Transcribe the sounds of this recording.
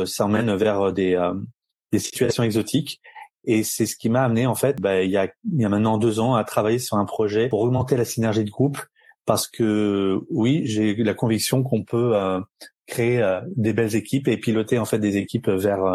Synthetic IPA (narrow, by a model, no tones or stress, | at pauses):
saɑ̃mɛnvɛʁød̪eø | d̪esi̥t̪ɥasjɔ̃ɛɡzɔt̪ʰikʲ | esɛsə̥kʲimaːmneɑ̃fɛt̪bailjailjamɛ̃t̪nɑ̃d̪øzɑ̃at̪χavajesyʁɛ̃pχɔʒɛpuʁɔɡmɑ̃t̪elasinɛʁʒid̪əɡʁup | paʁsə̥kʰəwiʒelakɔ̃viksjɔ̃k̬ɔ̃pøøkχeeød̪ebɛlzekʲipepilɔt̪eɑ̃fɛt̪̚d̪ezekʲipvɛʁø